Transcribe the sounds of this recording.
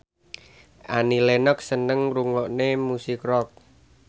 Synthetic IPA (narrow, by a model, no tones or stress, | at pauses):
ʔanilenɔk̚sənəŋruŋɔʔnemusikrɔk̚